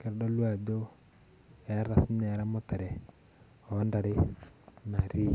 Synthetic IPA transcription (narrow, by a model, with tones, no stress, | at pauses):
kɛ˨ɾdɔ˦lwa˨d͡ʒo˦ | ɛ˨˦ɾa˨sɲɛ˨ɾa˦mɔ˦t̪ɛ˨ɾɛ˨ | ɔ˨˦nda˨ɾɪ˦na˨ɾi˦